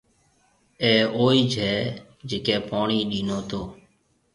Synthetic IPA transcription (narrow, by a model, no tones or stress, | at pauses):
ɛːoːiːd͡ʒʱɛː | d͡ʒeːkɛːpaːɳiːɗiːnoːt̪oː